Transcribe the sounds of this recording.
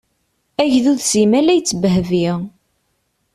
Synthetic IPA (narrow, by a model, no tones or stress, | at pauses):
æʝðuðsimælæjt͡sːəbəɦəviʁ